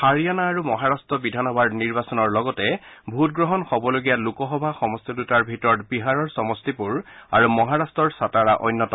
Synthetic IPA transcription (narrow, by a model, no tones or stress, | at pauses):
xaɹijanaːɹumɔɦaɹastɹɔbidʱanɔbʱadniɹbasɔnɔɹlɔɡɔtɛbʱutɡɹɔɦɔnxɔbɔloɡijalukɔxɔbʱaxɔmɔstidutaɹbʱitɔɹɔtbiɦaɹɔɹsɔmɔstipuɹa̰ɹumɔɦaɹastɔɹsataɹaʔɔ̰jnːɔtɔ